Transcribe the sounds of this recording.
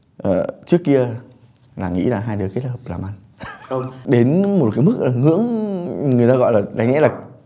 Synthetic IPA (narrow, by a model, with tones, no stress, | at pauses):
ʔəː˨˩t͡ɕɨ˦˥əkːi˧ə | laː˨˩ŋḭ˧˥laː˨˩ɦaː˧jɗɨ˨˩əke˦˥t̚həː˨˩p̚laː˨˩mʔa˧˩n˧ | ŋ͡mɗe˨˦nmo˨˩t̚kaː˨˦jmɨ˦˥k̚ʔa˨˩ŋɨ̰˧˥əŋŋɨ˨˩əjt̪aː˧ɣɔ̰˧˨jlaː˨˩ɗa˨˦ŋ̟ŋɛ̰˧˥lɗaː˨˩